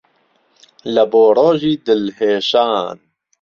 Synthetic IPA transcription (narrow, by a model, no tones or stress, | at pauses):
lɐboːɾoːʒiːd̪əlheːʃaːn